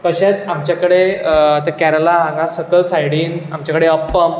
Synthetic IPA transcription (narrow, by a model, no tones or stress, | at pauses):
t̪əɕẽt͡samt͡ɕjakəɽet̪ɛkɛɾəlaɦãŋɡasəkəlsajɽiːnamt͡ɕjakəɽeəpːəm